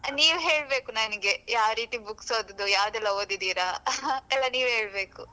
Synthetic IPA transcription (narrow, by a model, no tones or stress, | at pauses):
niːʋɦe̞ːɭbe̞ːkunɐnɐɡe̞jaːʋɾiːt̪ibukso̞ːd̪ɐd̪ujaːʋd̪ɛlːɐoːd̪id̪iːɾaɛlːɐniːʋɦe̞ːɭbe̞ːku